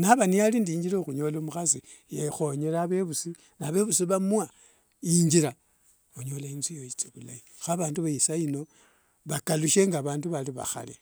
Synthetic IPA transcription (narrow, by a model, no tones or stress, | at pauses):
naβanijalindiiɲɟiɾoxuɲo̞lomuxasi | jexo̞ɲeɾaβe̞βusi | naβe̞βusiβamuwa | iɲd͡ʒiɾa | uɲo̞lainsijoit͡siβulai | xaβaːnduβaisaino̞ | βakaluʃe̞ŋɡaβaːnduβaliβa̰xa̰lḛ